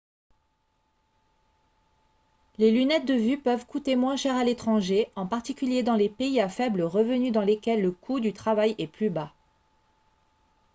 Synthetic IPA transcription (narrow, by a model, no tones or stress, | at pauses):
lelynɛt̪̚d̪əvypœvkut̪emwɛ̃ʃɛʁalet̪χɑ̃ʒeɑ̃paʁt̪ikʲyljed̪ɑ̃lepeiafɛbləʁəvənyd̪ɑ̃lekʲɛlːəkʰud̪yt̪χavajɛplyba